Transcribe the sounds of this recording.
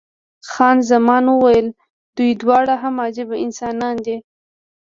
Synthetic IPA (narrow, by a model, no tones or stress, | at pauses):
xɑnzamɑnwəwajəl | d̪̥ujd̪wɑɽaɦamɑd͡ʒɪbaɪnsɑnɑnd̪i